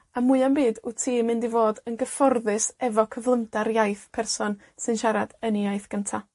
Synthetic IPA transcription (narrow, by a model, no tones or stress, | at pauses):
amuɨambiːdʊtʰiːmɨndivoːdənɡəfɔrðɨsɛvɔkʰəvlˠəmdaɾjajθpʰɛrsɔn | sɨnʃaɾadəniajθɡ̥əntʰa